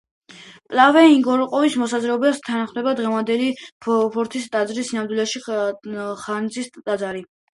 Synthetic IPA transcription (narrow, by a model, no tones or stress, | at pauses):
pʼlavɛiŋɡɔɾɔqʼɔvismɔsazɾɛɔbɛst̪ʰanaχmd̪ɛbad̪ʁɛvand̪ɛlipʰɔɾt̪ʰist̪ʼad̪zɾisinamd̪wilɛʃi | χand̪zist̪ʼad̪zaɾi